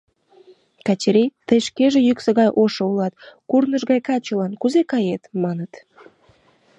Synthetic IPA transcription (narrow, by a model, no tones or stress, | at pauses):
kɑt͡ɕeɾʲejt̪əjʃkeʒejyksəɣɑjʔoʃoulɑt̪̚kurnəʒɣɑjkɑt͡ɕolɑnkuzekɑjet̪mɑnət̪